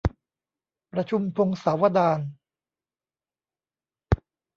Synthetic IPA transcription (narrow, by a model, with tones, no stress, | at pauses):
pɾa˧t͡ɕʰu˧mpʰo˧ŋsaː˩˦wa˧daː˧n